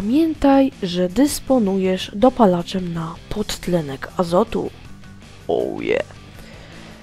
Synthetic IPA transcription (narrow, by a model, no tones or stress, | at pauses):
pamʲjɛnt̪ajʐɛd̪ɛspɔnujɛʐd̪ɔpalat͡ʂɛmnapʰɔt̪ːlɛnɛkʰazɔt̪ṵ | o̰wjɛ̰